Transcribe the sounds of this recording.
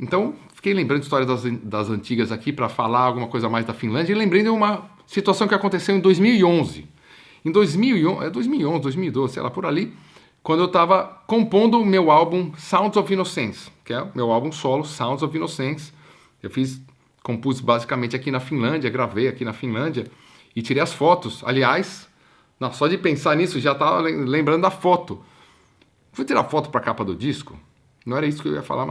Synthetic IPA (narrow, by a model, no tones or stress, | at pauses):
ẽnt̪ɐ̃w̃fi̥kejlẽmbɐ̃d̪ʊist̪ɔɾjɐd̪ɐz̃d̪ɐzɐ̃nt͡ʃiɡɐzakipɾɐfalaɾawɡũmɐkojzɐmajzd̪ɐfĩlɐ̃d͡ʒɐilẽmbɾẽjd̪ʊũmɐ | sit̪uasɐ̃w̃kɪakõnt̪esewẽd̪ojzmiwiõzɪ̰ | ẽd̪ojzmiwiõɛd̪ojzmiwiõzɪd̪ojzmiuwid̪ozɪsḛjla̰pʊɾali | kwɐ̃d̪ʊewt̪avɐkõpõnd̪ʊmewawbũsãw̃t̪zovinosẽskɛʊmewawbũsɔlʊsãw̃t̪zovinosẽs | ewfis | kõpusbazikamẽnt͡ʃɪakinɐfĩlɐ̃d͡ʒiɐɡɾavejakinɐfĩlɐ̃d͡ʒiɐ | ɪt͡ʃiɾejɐsfɔt̪ʊsa̰liajs | nɐ̃w̃sɔd͡ʒɪpẽsaɾnisʊʒat̪avɐ̰lẽlẽmbɾɐ̃nd̪ʊɐfɔt̪ʊ | fujt͡ʃiɾa̰fɔt̪ʊ̥pɾɐkapɐd̪ʊd͡ʒiskʊ̰ | nɐ̃ɛɾɐisʊ̥kɪewiɐfa̰lʔa̰ɾma